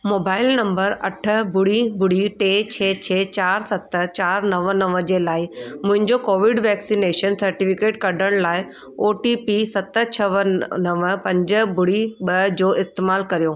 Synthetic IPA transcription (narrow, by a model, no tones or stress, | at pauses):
moːbaːɪlnɐ̃mbəɾɐ̰ʈʰə̆bʊɽibʱʊɽiʈeːt͡ɕʰeːt͡ɕʰeːt͡ɕaːɾsɐt̪ə̆t͡ɕaːɾnɐʋənɐʋəd͡ʑeːlaːɪmʊ̃ɦɪ̃ɲd͡ʑokoːʋɪɖʋɛːksineːʃənsɐɾʈifɪkeːʈkɐɖʱəɽ̃laːɪ | oːʈipisɐt̪ət͡ɕʰɐʋənɐʋəpɐ̃ɲd͡ʑə̆bʊɽiɓɐd͡ʑoːʔɪst̪eːmaːlkɐɾijoː